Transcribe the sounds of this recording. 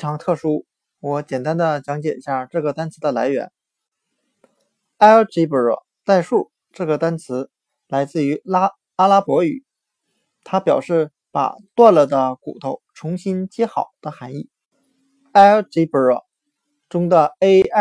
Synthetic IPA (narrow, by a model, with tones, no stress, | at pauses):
ʈ͡ʂʰɑ˧˥ŋt̪ʰɤ˥˩ʂu˥ | wɔ˧˥t͡ɕjɛ˨˩nt̪a˥nd̪ə˨t͡ɕjɑ˧˥ŋt͡ɕjɛ˨˩i˥ɕja˥˧ʈ͡ʂɤ˥˩ɡə˩t̪a˥nt͡sʰɹ̩˧˥d̪ə˧la˧˥ɪɥɛ̰˧˥n | a˥ʈ͡ʂi˧˥pə˨˥˩ɔ̰˥˩ | t͡sa˥˧ɪʂu˥˧ | ʈ͡ʂɤ˥˩ɡə˩t̪a˥nt͡sʰɹ̩˧˥ | la˧˥ɪt͡sɹ̩˥˩y˧˥la˥ | a˥la˥pwɔ˧˥y˨˩˦ | t̪ʰa˥pjɑ˨˩ʊʂɻ̩˥˩ | pa̰˨˩t̪wa˥˩nlə˩d̪ə˦kṵ˨˩t̪ʰo˥˩ʊʈ͡ʂʰʊ˧˥ŋɕi˥nt͡ɕjɛ˥xɑ˨˩ʊd̪̥ə˦xa˧˥ni˥˩ | a˥ɪ˥ʈ͡ʂi˧˥pə˨˥˩ | ʈ͡ʂʊ˥ŋd̪ə˨e˥